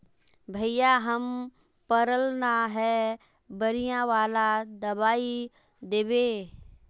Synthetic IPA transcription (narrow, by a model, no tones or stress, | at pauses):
bʱəɪjaɦəm | pəɾəlnaɦɛ | bəɾijãʋaːlad̪əbaːi | d̪eːbeː